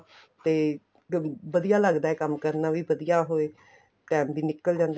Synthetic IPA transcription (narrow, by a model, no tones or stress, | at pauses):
t̪eː | ʋəd̪ijaːləɡd̪aːɛːkəmːkəɾnaːʋiːbəd̪ijaːɦoːeː | ʈɛ̃ːmd̪iːnɪkːəld͡ʒãːnd̪